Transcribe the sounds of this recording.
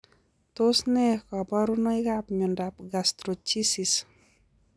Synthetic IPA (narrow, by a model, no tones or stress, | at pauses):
t̪osnɛkabaɾunɔjɡap̚ɲɔndap̚ɡast̪ɾot͡ʃisis